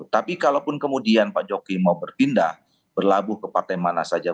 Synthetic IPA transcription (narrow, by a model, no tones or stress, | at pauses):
t̪apikalawpʊnkəmudianpad͡ʒokimaubərpindah | b̥ərlabʊhkəpart̪ajmanasad͡ʒa